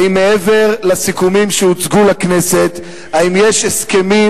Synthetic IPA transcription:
imːeeve̞ʁlasikumimʃeut͡sɡulakne̞se̞t̪ | aimje̞ʃheske̞mi

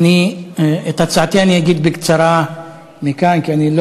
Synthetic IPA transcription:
ni | et̪at͡sʕat̪ianiaɡid̪bekt͡saɾa | mikankianilo

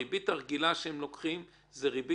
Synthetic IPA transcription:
ibit̪aʁɡilaʃeemlo̞kχim | zeʁibi

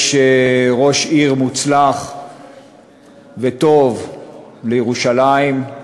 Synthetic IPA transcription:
ʃeʁo̞ʃiʁmut͡slaχ | vet̪o̞vlejeʁuʃalaim

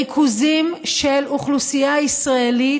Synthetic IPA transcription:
ikʰuzimʃeluχlusijaisʁaeli

